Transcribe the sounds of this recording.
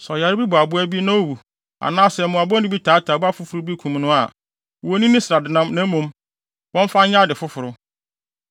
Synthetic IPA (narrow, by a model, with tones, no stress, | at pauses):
sɔ˨ja˨ɾbi˦bʊ˨a˨bʊ˦æ˦bi˦nã˦o˦wu˨ | a̰˨nãː˦sɛ˨mʊ̃˨a˨bɔ̃˦nɪ̃˦bi˦tʰaː˨˦tʰa˨ba˦fʊ˦fʊ˨ɾʊ˦bi˦kʰũ˨m˦nʊ̃˦a˨ | o˨˦nĩ˦nĩ˦sɪ˨ɾa˨dɪ˨nã˦mnã˦mũ˨˦m | wɔ̃˦ɱ˦fã˦ɲ˦ɲa˦dɪ˨fʊ˦fʊ˨ɾʊ˦